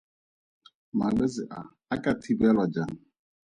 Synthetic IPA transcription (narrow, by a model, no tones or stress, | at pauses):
maɡ͡bezɪʔa̰ | akatʰibialɔd͡ʒaŋ̩